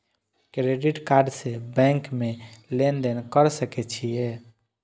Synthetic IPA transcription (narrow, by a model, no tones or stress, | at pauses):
kɾeɖiʈkaɾɖsebɛ̃ŋkmelend̪enkəɾsəkɛt͡ʃʰije